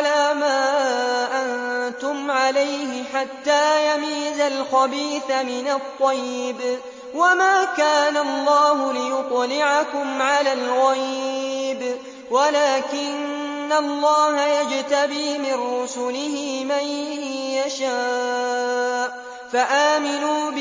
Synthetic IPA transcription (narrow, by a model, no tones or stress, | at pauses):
laːmaːʔant̪ʊmʕalajhɪħat̪ːaːjamiːzalxabiːθamɪnat̪ˤːɑjːb | wamaːkaːnalˤːɑːɦʊlɪjʊt̪ˤlɪʕakʊmʕalaːlɣajb | walaːkɪnː | alˤːɑːɦajad͡ʒt̪abiːmɪnːʊsʊlɪhɪmajjaʃaː | ʔ | faʔaːmɪnuːb